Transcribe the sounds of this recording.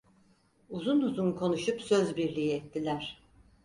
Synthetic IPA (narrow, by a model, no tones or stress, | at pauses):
uzunuzunkʰo̞nuʃupsøzbiɾlʲijiɛt̪ːilʲæɾ̝̥